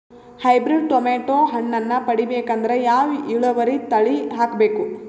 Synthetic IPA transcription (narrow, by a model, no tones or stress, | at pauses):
hɐjbɾiɖ̚ʈomeːʈoːɦɐɳːɐnːɐpɐɽibeːkɐnd̪ɐɾe̞jaːʋiɭɐʋɐɾit̪ɐɭiɦaːkbeːku